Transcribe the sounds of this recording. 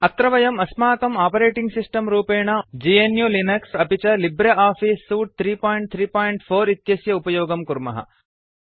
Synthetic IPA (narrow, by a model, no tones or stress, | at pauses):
ɐt̪ɾɐʋɐjɐmɐsmaːkɐmaːpɐɾeːʈiŋɡsisʈɐmɾuːpeːɳɐd͡ʒienjulinɐksɐpit͡ʃɐlibɾɐʔaːfiːsːuːʈ̚t̪ʰɾiːpaːjɳʈ̚t̪ʰɾiːpaːjɳʈpʰoːɾit̪jɐsjɐupɐjoːɡɐmkuɾmɐ̰ɦɐ̰